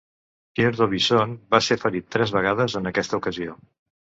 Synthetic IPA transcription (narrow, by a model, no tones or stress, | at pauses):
pjeɾðoβisonbaseɾfəɾit̪ːɾɛzβəɣ̞aðəzənəkɛst̪əukəzio